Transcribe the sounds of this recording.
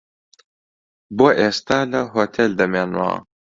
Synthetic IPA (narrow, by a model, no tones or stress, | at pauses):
boʔest̪alɐɦot̪ʰeld̪ɐmenwa̰ː